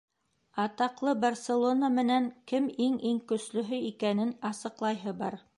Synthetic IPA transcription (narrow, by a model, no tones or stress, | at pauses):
ɑt̪ɑqlˠɤbɐrselˠo̞namɘ̆næŋkɘmiŋiŋkɵ̆slɵ̆ɦɵikænɘnɑsɤ̆qlˠɑjɦɤbɑɾ